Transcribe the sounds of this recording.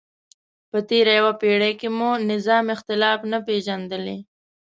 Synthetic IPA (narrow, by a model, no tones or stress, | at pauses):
pət̪eɾajawapeɽakemunɪzɑmɪxt̪ɪlɑfnapeʒand̪əle